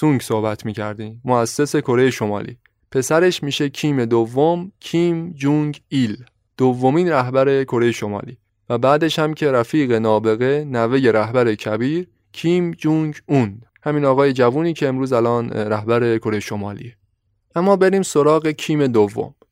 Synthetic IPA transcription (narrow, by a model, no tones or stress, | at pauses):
suŋɡso̞hbæt̪ʰmiːcʰæ̰ɾd̪iːmːoæsːe̞se̞kʰo̞ɾejeʃo̞mɒ̰ːlḭː | pʰe̞sæɾe̞ʃmiːʃe̞cʰiːme̞d̪ovːomcʰiːmd͡ʒuɲɟil | d̪̥ovːomiːnɾæhbæɾe̞kʰo̞ɾe̞jeʃo̞mɒ̰ːlḭː | væbæːd̪e̞ʃhæmcʰe̞ɾæfiːɣe̞nɒːbe̞ɣe̞næve̞je̞ɾæhbæɾe̞cʰæbiːɾ | cʰiːmd͡ʒuŋɟund̪ | hæmiːnɒːɣɒːje̞d͡ʒævuːniːcʰe̞ːmɾuːzælɒːnɾæhbæɾe̞kʰo̞ɾe̞jeʃo̞mɒ̰ːlḭːe | ʔæmːɒːbe̞ɾiːmso̞ɾɒːɣe̞cʰiːme̞d̪ovːo̰m